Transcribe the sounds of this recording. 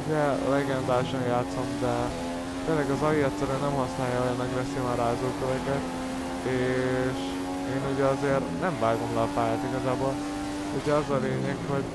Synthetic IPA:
uɟɛlɛɡɛnd̪aːlʃɒnjaːt̪somd̪ɛ | t̪elːɛɡɒzɒjiɛt̪sɛɾyɛnɛmhɒsnaːjːɒɦoɛnːɛkvɛseːmɒɾaːzoːkøvɛkɛt̪ | eːʃ | eːnuɟɛɒzeːrnɛɱvaːɡo̞mlɒfaːjaːt̪iɡɒzaːboːl | uɟɛɒzɒleːɲɛkho̞ɟ

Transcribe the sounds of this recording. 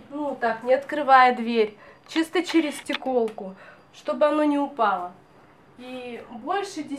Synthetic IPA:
nut̪aknʲɪɐt̪kɾɨvajəd̪vʲeɾʲt͡ɕist̪ət͡ɕɪɾʲɪstʲɪko̞lˠkʊ | ʂt̪o̞bɨɐno̞nʲɪʊpɑlˠə | ibo̞lʲʂɨdʲɪ

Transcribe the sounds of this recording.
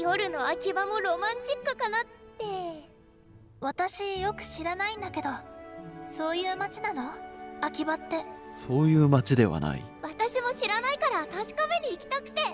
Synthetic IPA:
jo̞ɾɯ̟no̞akʲibamo̞ɾo̞mãɲt͡ɕikːɯ̟kanat̪ːe̞ | βat̪aɕijo̞kɯ̟̥ɕiɾanaĩnd̪ake̞d̪o̞ | so̞ːjɯ̟ːmat͡ɕinano̞akʲibat̪ːe̞ | so̞ːjɯ̟ːmat͡ɕid̪e̞βa̰na̰ḭ | βat̪aɕimo̞ɕiɾanaikaɾat̪aɕi̥kame̞ɲ̟iːkʲi̥t̪akɯ̟̥t̪e̞

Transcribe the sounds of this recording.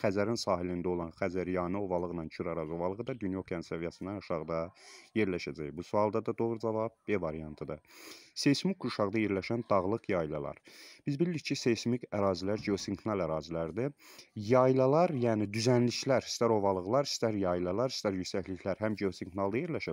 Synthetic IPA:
xæzæɾinsɑːɦilind̪æo̞lˠɑnxæzæɾjɑːnɯo̞vɑlˠɯʁnɑnt͡ʃʰyɾæɾɑzo̞vɑlˠɯʁɯd̪ɑd̪ynjokʰænsævijæsind̪ɑnuʃɑʁd̪ɑje̞ɾlæʃæd͡ʒæjbusuɑlˠd̪ɑd̪ɑd̪o̞ɣɾud͡ʒɑvɑb̚bevɑɾijɑnt̪ʰɯd̪ɨse̞jsmikʰːuʃɑʁd̪ɑje̞ɾlæʃænd̪ɑɣlˠɯqjɑjlˠɑ̰lˠɑ̰ɾb̥izbilːiccʰːise̞jsmikʰæɾɑːzilæɾd͡ʒeosiŋkʰnɑlˠæɾɑːzilæɾd̪ijɑjlˠɑlˠɑɾjæːnid̪yzænliʃlæɾi̥st̪æɾo̞vɑlˠɯɣlˠɑɾi̥st̪æɾjɑjilˠɑlˠɑɾi̥st̪æɾjysæçliçʰlæɾɦæmd͡ʒeosiŋkʰnɑlˠd̪ɑje̞ɾlæʃæ

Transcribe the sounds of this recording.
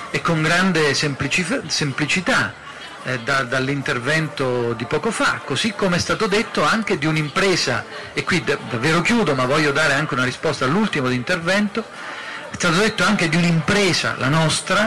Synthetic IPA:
ekːoŋɡɾand̪esemplit͡ʃisemplit͡ʃit̪a | d̪ad̪alːint̪ervɛnt̪od̪ipɔːkofa̰kːosikːomeɛst̪aːt̪od̪et̪ːoaŋk̟ed̪iunimpɾɛːza̰ | ekːwid̪ad̪avːeːɾok̟juːd̪omavːɔʎːod̪aːɾeaŋk̟eunarispɔst̪alːult̪imod̪int̪ervɛnt̪o | ɛst̪aːt̪od̪et̪ːoaŋk̟ed̪iunimpɾɛːza̰la̰nɔst̪ɾa

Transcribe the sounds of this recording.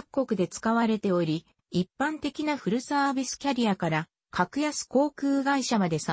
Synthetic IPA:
akːo̞kɯ̟d̪e̞t͡sɨ̥kaβaɾe̞t̪e̞o̞ɾʲi | ipːãnt̪e̞kʲinaɸɯ̟ɾɯ̟saːbʲisɨ̥kʲaɾʲiakaɾa | kʰakɯ̟jasɨ̥ko̞ːkɯ̟ːɡaiɕamad̪e̞sa

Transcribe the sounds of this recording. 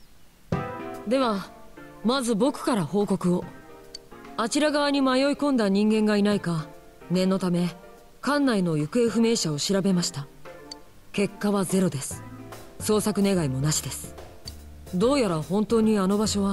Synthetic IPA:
d̪e̞βa | mazɨbo̞kɯ̟̥kaɾaho̞ːko̞kɯ̟o̞ | at͡ɕiɾaɡaβaɲ̟imajo̞ikõ̞nd̪aɲ̟ĩŋɡẽ̞ŋɡainaika | nẽ̞nːo̞t̪ame̞ | kãnːaino̞jɯ̟kɯ̟e̞ɸɯ̟me̞ːɕao̞ɕiɾabe̞maɕi̥t̪a | ke̞kːaβaze̞ɾo̞d̪e̞sɨ̥so̞ːsakɯ̟ne̞ɡaimo̞naɕid̪e̞sɨ̥ | d̪o̞ːjaɾahõ̞nt̪o̞ːɲ̟iano̞baɕo̞βa

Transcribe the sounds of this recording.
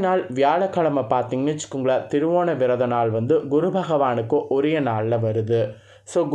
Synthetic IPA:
naːɭʋɪjaːɭɐkːɐɭɐmɐpːaːɾt̪iŋɡɐt͡ʃɯ̥kːɯŋɡɐɭɐt̪ɪɾɯʋoːnɐʋɪɾɐðɐnaːɭʋɐnd̪ɯɡʊɾɯbʱɐɣɐʋaːnɯkːõʔɔɾɐjɐnaːɭːɐʋɐɾɯðɯ | soːɡ

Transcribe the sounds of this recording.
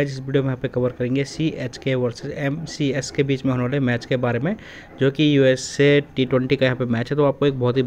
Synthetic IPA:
d͡ʒɪsʋiːɖiomẽjɦãpekɐʋəɾkɐɾẽːŋɡesieːt͡ʃkeʋɐɾsɪzɛmsiɛskebiːt͡ʃmẽɦoːneʋaːleemɛːt͡ʃkebaːɾemẽ | d͡ʒoːkijuːɛseʈiːʈwɛ̃ɳʈikajɐɦãːpemɛːt͡ʃɦɛt̪oaːp̚koeːk̚bɔɦʊt̪ɦi

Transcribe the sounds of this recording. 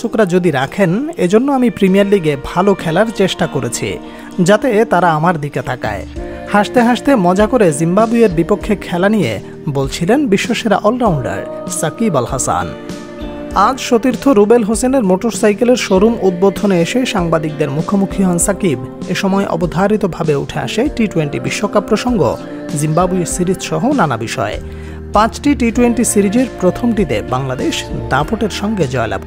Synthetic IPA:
ukɾad͡ʑod̪iɾakʰened͡ʑonːoamipɾimijaɾliɡebʱalokʰɛlaɾt͡ɕeʃʈakoɾḛt͡ɕʰḭ | d͡ʑat̪et̪aɾaamaɾd̪iket̪ʰaka̰e | haʃt̪eɦaʃt̪emɔd͡ʑakoɾezimbabueɾbipokʰːekʰːɛlanijḛ | bolt͡ɕʰilenbiʃːoʃeɾa̰ʔɔlɾawɳɖa̰ɾ | sakibalhasa̰n | ad͡ʑʃot̪iɾt̪ʰoɾubelɦoseneɾmoʈoɾsajkeleɾʃoɾumud̪̚bod̪ʱoneeʃeʃaŋbad̪ik̚d̪eɾmukʰomukʰiɦɔnsakibeʃɔmɔeʔɔ̰bod̪ʱaɾit̪obʱabeṵʈʰea̰ʃeʈiʈuweɳʈibiʃːokapːɾoʃoŋɡo̰ | zimbabuesiɾid͡ʑʃɔɦonanabiʃɔ̰e | pãt͡ɕʈiʈiʈuweɳʈisiɾid͡ʑeɾpɾot̪ʰomʈit̪ebaŋlad̪eʃd̪apoʈeɾʃɔŋɡed͡ʑɔela̰b

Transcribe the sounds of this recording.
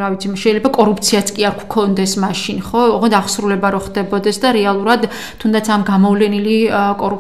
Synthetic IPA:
ɾavit̪sʰimʃɛilɛbakʼɔɾup̚ʰt̪sʰiat̪sʰkʼiaɾkʰkʰɔnd̪ɛsmaʃinχɔɔʁɛd̪aχsɾulɛbaɾɔχd̪ɛbɔd̪ɛsd̪aɾɛalˠuɾad̪ | t̪ʰːund̪at̪sʰamɡamɔvlɛnilikʼɔɾu

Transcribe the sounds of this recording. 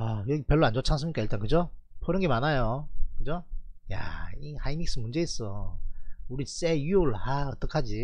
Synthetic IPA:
ajʌɡipjʌɭːoand͡ʑot͡ɕʰans̬͈ɯmɲik͈aiɭt͈ankɯd͡ʑopʰʌɾɯnɡemanajokɯd͡ʑoja̰ihainik̚s͈ɯmund͡ʑe̞is͈ʌ | uɾis͈ejioɭhaʌt͈ʌkʰad͡ʑi

